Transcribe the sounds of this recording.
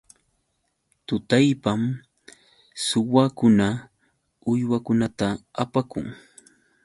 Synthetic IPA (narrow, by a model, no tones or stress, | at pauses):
t̪ʊt̪ajpam | sʊwakʊna | ʊjwakʊnat̪aapakʊ̰ŋ